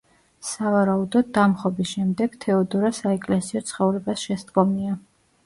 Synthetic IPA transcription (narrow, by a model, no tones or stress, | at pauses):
savaɾaud̪ɔd̪ːamχɔbisʃɛmd̪ɛɡ̥t̪ʰɛɔd̪ɔɾasaɛkʼlɛsiɔt̪sʰχɔvɾɛbasʃɛsd̪ɡɔmia